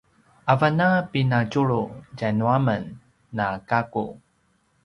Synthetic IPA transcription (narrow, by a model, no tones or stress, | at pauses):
ʔavanapinat͡ɕuɭuɟanuamənː | akakṵ